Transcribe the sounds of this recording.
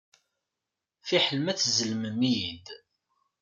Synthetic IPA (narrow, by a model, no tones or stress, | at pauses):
θiħəlmæθzəlməmijind̪